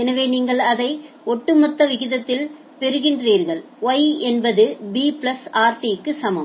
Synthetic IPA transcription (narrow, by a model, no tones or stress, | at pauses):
ɛnɐʋeːniːŋɡɐɭɐðɐɪ | ɔʈːɯmɔt̪ːɐʋɪɣɪðɐt̪ːɪl | pɛɾɯɣɪndriːɾɣɐɭ | ɐjɛnbɐðɯbiːpɭɐsaːɾt̪ikːɯsɐmɐm